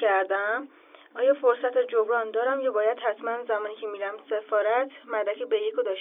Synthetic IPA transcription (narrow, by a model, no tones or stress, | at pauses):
æɾd̪æm | ɒːjɒːfoɾsæt̪ʰed͡ʒobɾɒːnd̪ɒːɾæmjɑbɒːjæd̪̥hæt̪ʰmænzæmɒːniːcʰemiɾæmse̞fɒːɾæt̪ʰmæd̪ækʰebejekʰod̪ɒːʃ